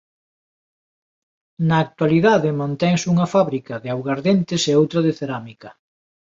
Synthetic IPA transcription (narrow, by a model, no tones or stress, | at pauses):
nɐːk̚t̪waliðaðɪmãnt̪ɛŋsuŋɐfaβɾikɐðɪawɣaɾðent̪ɪseowt̪ɾɐðeθeɾamikɐ